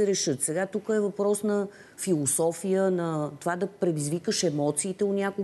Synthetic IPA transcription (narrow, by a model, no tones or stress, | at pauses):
ɛɾɛʃɤt̪sɛɡat̪ukəɛvɐpɾɔsnɐ | filˠosɔfijənɐt̪ovad̪ɐpɾɛd̪izvikəʃɛmɔt̪siːt̪ɛonʲako